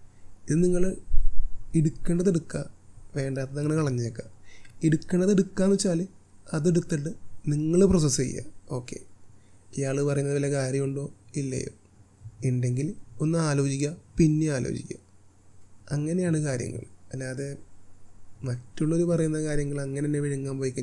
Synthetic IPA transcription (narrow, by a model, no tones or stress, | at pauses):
iðɨniŋːɐɭ | eɽukːeːɳɖɐðeɽukːaʋe̞ːɳɖaːt̪ːɐðɐŋːɐne̞kɐɭɐɲːijokːaeɽukːeɳɖɐðeɽukːaːnut͡ɕːaːlɨ | ɐðeɽut̪ːeʈːɨniŋːɐɭɨprosɐsḛj̰ːa̰o̞ːkːe̞̰ | ijaːɭɨpɐrɐjunːɐðɨʋilːɐkaːɾjɐmuɳɖo̞ːilːɐ̰jo̰ː | eɳɖe̞ŋɡilo̞nːɨaːlo̞ːd͡ʑikʲːɐpinːeaːlo̰ːt͡ɕikʲːa̰ | ɐŋːɐne̞jaːɳɨkaːɾjɐ̰ŋːɐ̰ɭɐlːaːðe | mɐtːuɭːo̞ɾupɐrɐjunːɐkaːɾjɐŋɡɐɭɐŋːɐnenːeʋiɻiŋːaːmpoːikʲːu